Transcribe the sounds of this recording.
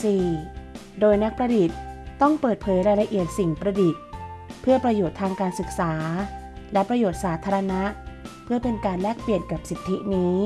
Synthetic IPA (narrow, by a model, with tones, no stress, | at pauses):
siː˨˩ | doː˧jna˦˥k̚pɾa˧di˨˩t̪̚t̪ɔ˥˩ŋpɤː˨˩t̪̚pʰɤː˩˦jɾaː˧jla˧ʔi˨˩ət̪̚si˨˩ŋpɾa˧di˨˩t̪̚pʰɯ˥˩ɐpɾa˧joː˨˩t̪ʰːaː˧ŋkaː˧nsɯ˨˩k̚saː˩˦lɛ˦˥pɾa˧joː˨˩t̪̚saː˩˦t̪ʰaː˧ɾa˧na˦˥ʔpʰɯ˥˩ɐpe˧nkaː˧nlɛː˥˩k̚pli˨˩ənka˨˩p̚si˨˩t̪ʰːi˦˥niː˦˥